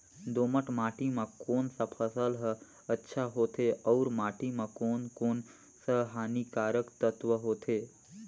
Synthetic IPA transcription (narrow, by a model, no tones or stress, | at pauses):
d̪oːməʈmaːʈimãkoːnsapʰəsəlɦə | ətːʃʰaɦoːt̪ʰeɔuɾmaːʈimãkoːnkoːn | səɦaːnikaːɾəkt̪ət̪ʋəɦoːt̪ʰe